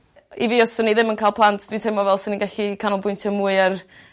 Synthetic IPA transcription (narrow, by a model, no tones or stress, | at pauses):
iviːɔsəniðɪmənkʰajlˠpʰlˠantʰd̥wintʰejmɔvɛlˠsəninɡaɬikʰanʊlˠbʊɨntʰəmuːɨar